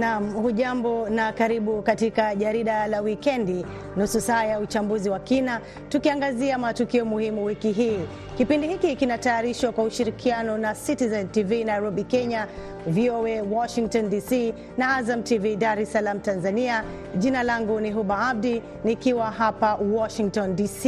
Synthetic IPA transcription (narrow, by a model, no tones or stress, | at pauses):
nam̩huʄambɔnakaɾiɓukatikaʄaɾiɗalawikɛndi | nususaːjaut͡ʃambuziwakina | tukiaŋɡaziamatukiɔmuhimuwikiɦiː | kipindihikikinatajaɾiʃwakwauʃiɾikʰianɔnasitizɛntivinajɾɔɓikɛɲa | viɔɛwɔʃiŋk̚tɔndisi | naazamtividaɾɛsalam̩tanzania | ʄinalaŋɡuniɦuɓaab̚di | nikiwaɦapawɔʃiŋk̚tɔndisi